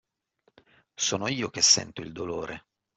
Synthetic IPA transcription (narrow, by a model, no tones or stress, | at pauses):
soːnoiːok̟esːɛ̰nt̪oild̪oloːɾʔe